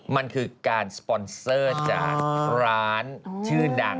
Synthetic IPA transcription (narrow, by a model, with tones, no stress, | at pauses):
ma˧nkʰɯː˧kaː˧nspɔ˧nsɤː˥˩t͡ɕa̰ː˨˩k̚ɾaː˦˥nt͡ɕʰɯː˥˩da˧˩ŋ